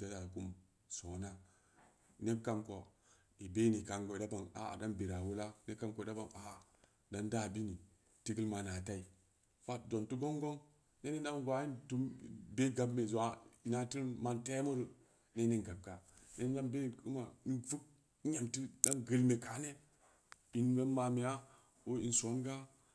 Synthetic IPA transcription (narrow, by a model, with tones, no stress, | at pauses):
da˦ta˨ku˦m | so˨na˦ | ne˦ka˦mko˨ | i˨be˦ni˨ka˨ŋɡo˨da˦ba˨ŋa̰˨da˦nbi˨ɾa˨wu˦la˦ne˦ka˦mko˨˦da˦ba˨ŋa˨ | da˨nda˦˨bi˦ni˨ | ti˦ɡə˦lma˨na˨ta˦i˨ | fa˦tdo˨ntu˦ɡo˦ŋɡo˦ŋ | ne˦ne˦da˦ɡʷa˨˦i˦ntu˨˦mbe˦ɡa˨bme˨za˨na˨ti˦ɾnma˦nte˦mo˦ɾə˨ | ne˦ne˦nɡa˨b̚ɡa˨ | ne˦ɲa˦mbe˦˨ku˦ma˨˦nvu˦k̚ | ɲa˨mti˦da˦nɡə˨lme˨ka˨ne˦ | i˨nɡa˦nma˨me˨ja˦ | o˦i˨nsu˨a˦nɡa˦